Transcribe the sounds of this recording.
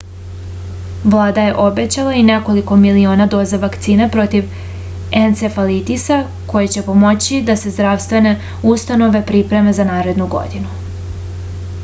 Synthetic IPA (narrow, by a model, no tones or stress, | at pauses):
ʋlˠaːd̪aje̞ʔo̞be̞t͡ɕalˠaine̞ko̞liko̞milio̞ːnad̪o̞ːzaʋakt̪siːnepɾo̞t̪iʋ | ent̪sefalit̪isa | ko̞jet͡ɕe̞po̞mo̞t͡ɕid̪ase̞zd̪ɾaʋst̪ʋe̞ne̞ | ust̪ano̞ʋe̞pɾipɾe̞me̞zanaːɾe̞d̪nuɡo̞̰d̪inu